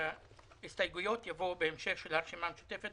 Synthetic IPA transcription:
est̪ajɡujo̞t̪javo̞beːmʃeχʃelhaʁʃimamʃu̥t̪efet

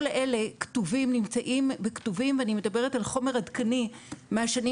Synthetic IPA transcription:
lʔe̞le̞ktuvimnimt͡saʔimbektuvimveanime̞dɐbe̞ʁetalχo̞me̞ʁadkanimeaʃani

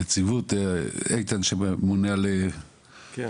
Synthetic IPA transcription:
et͡sivut̪ejt̪anʃemuneale

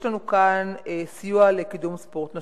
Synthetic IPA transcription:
lanukanesijualekidumspo̞ʁtna

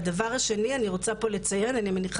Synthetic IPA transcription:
davaʁaʃe̞nianiʁo̞t͡sapo̞let͡saje̞nanimeniχ

